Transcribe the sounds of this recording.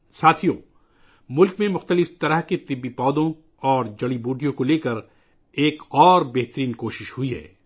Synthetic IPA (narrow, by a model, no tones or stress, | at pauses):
saːt̪ʰijõ | mʊlkmẽmʊxt̪əlɪft̪ɐɾəɦket̪ɪbːipɔːd̪õ | ɔːɾd͡ʒɐɽibuːɖijõkoleːkəɾ | eːkɔːɾbɛɦt̪əɾiːnkoːʃɪʃhʊiɦɛ̰ː